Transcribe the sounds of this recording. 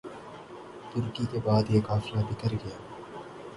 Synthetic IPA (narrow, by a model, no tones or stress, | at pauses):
t̪ʊɾkikebaːd̪jeːkaːfɪlabʱɪkəɾɡɐjaː